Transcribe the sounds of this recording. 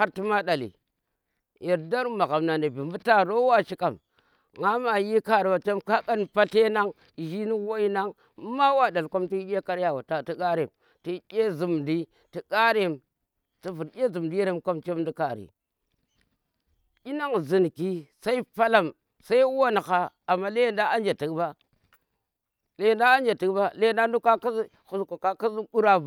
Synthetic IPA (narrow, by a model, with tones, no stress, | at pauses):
ha˦ɾti˦ma˦da˨lḭ˨ | ji˨ɾda˦ɾma˨ɣa˨mna˨ne˨bi˨mbu˦ta˦ɾo˦wa˦ʃi˦ka˨m | ŋa˦ma˨ji˦ka˦ɾi˨wa˨t͡ʃe˦mka˦ka˦npa˦ɬe˦na˦ŋ˨ | ʒi˦ni˦wo˦i˦na˦ŋ˦ | ma˦wa˦˨da˨lko˦mti˦jʲe˦ka˦ɾja˨wa˨ta˨ti˦ka˦ɾe˨m | ti˦ɗʲe˦zu˨mdi˦ | ti˦ka˦ɾe˦˨m | ti˨vu˨ɾjʲe˦zu˨m˨di˦je˦ɾe˦mka˦mt͡ʃe˦mdi˦ka˨ɾḭ˨ | i˦na˦ŋzi˨nki˦sa˦i˦pa˦la˦m | sa˦i˦wo˦n˨xa˦a˨mːa˦le˦jnda˦a˦nd͡ʒa˨ti˨kba˦ | le˦jnda˦a˦nd͡ʒa˨ti˨kba˦le˦nda˦ndu˦ka˦ka˦ | xu˨sko˨ka˦ka˦zi˦u˦ɾa˦b